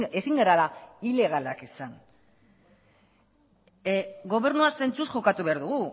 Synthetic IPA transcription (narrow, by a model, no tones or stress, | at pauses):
e̞siŋɡeɾalaile̞ɣ̞alakisan | ɡo̞β̞e̞ɾnuase̞nt͡susʝo̞kat̪uβe̞aɾðuɣu